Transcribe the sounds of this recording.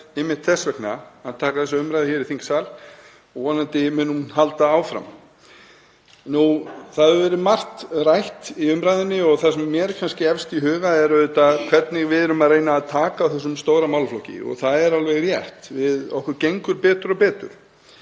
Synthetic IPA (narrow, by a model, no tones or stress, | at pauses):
ɪmːɪht̪θɛsːvɛkna̰aðt̪ʰaːkaθɛsaʏmɾajðɪçɛɾiθiŋksal | ɔɣvɔːnant̪ɪmʏːnumɦalt̪aaːwfɾa̰m | nuθaðvɛːɾɪmar̥t̪rajht̪iʏmɾajðɪnːɪɔɣθasɛmːjɛɾkʰanscɪɛfst̪iɦʏːɣaɛɾœðʏt̪akʰvɛt̪nɪɣvɪðɪɾʏmaðreːjnaːðt̪ʰaːkaawθɛs̬ːʏmst̪owɾamawlflɔwcɪ̰ɔ̰ɣθaðɛɾalvɛɣɾjɛ̰r̥t̪vɪðɔ̰hkʏɾcejŋkʏɾpɛːt̪ʏɾɔpɛːt̪ʏ̰ɾ̥